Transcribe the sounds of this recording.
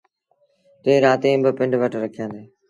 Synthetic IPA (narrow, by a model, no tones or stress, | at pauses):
t̪eːɾaːt̪ẽːbɪpɪɳɖʋəʈɾəkʰijãːnd̪eː